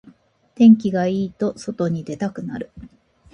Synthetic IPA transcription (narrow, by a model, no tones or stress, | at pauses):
t̪ẽ̞ŋkʲiɡaiːt̪o̞so̞t̪o̞ɲ̟id̪e̞t̪akɯ̟na̰ɾɯ̟